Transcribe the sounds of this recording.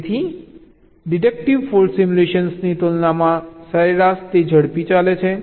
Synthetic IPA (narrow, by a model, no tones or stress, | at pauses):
t̪ʰi | ɖiʈek̚ʈiʋfolʈsimuleʃənsnit̪olnamãsəɾeɾast̪ed͡ʒʱəɽpit͡ʃalet͡ʃʰe